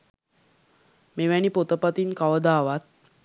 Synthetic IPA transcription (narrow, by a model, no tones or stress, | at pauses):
meʋæɳipot̪əpət̪inkaʋəd̪aːʋat̪̚